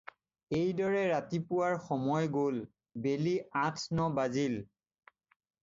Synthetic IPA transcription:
ejdɔɹɛɹatipʊwaɹxɔmɔjɡol | beliãtʰnɔbazil

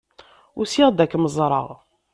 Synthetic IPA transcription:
ʊsiʁd̪ækːməzˤɾˤɑ̰ʁ

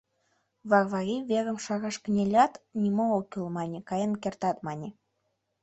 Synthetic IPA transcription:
βɑrvɑɣʲiβeɣə̆mʃɑɣɑʃkənʲelʲɑt̪nʲimookylmɑnʲĕkɑjənkert̪ɑt̪mɑnʲe

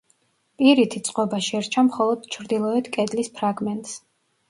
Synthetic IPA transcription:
iɾit̪ʰisʼqʼɔbaʃɛɾt͡ʃʰamχɔlˠɔd̪̥̚t͡ʃʰɾd̪ilˠɔɛt̪ʰkʼɛd̪lispʰɾaɡmɛnt̪ʼs

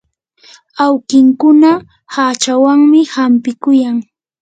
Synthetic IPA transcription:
awkɪŋkʊna | hat͡ʃawaŋmɪhampɪkʊjaŋ

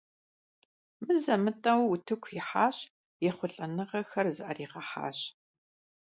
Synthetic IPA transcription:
mɨzɐmɨtʼɐwʊtʰɨkʷʰjɪħaːɕ | jɛχʷʊɬʼɐnɨʁɐxɐrzɨʔɐriːʁɐħa̰ːɕ

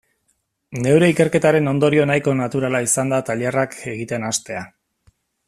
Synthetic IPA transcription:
ne̞wɾe̞ike̞ɾke̞t̪aɾe̞no̞nd̪o̞ɾio̞najko̞nat̪uɾalaisand̪at̪aʎerakʰe̞ɣit̪e̞nast̪e̞a

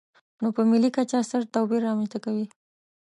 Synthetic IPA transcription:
nopəmɪlikat͡ʃasəɾt̪abiɾːɑmanst̪akawi

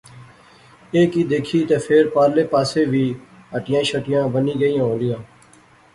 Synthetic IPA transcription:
eːkiːd̪eːkʰiːt̪eːpʰeɾpaːɾleːpaːseːʋiː | əʈɪjãːʃəʈɪjãːbəniːɡəijãːɦõːlɪjãː

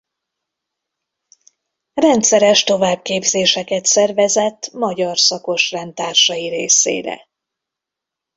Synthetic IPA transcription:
rɛnt̪sɛɾɛʃt̪o̞vaːb̚keːbzeːʃɛkɛt̪sɛrvɛzɛt̪ːmɒɟɒrsɒko̞ʃrɛnt̪aːrʃɒjiɾeːsḛːɾɛ̰

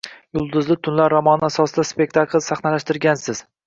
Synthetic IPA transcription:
jʊlˠd̪ʊzlɪt̪ʰʊnlaɾːɒmɒnasɒsɪd̪aspe̞k̚ʲt̪ʰaklˠsaχnalaʃt̪ɪɾɡʲansɪz̥

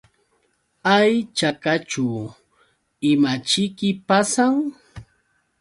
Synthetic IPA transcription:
ajt͡ʃakat͡ʃʊ | ɪmat͡ʃɪkɪpasaŋ

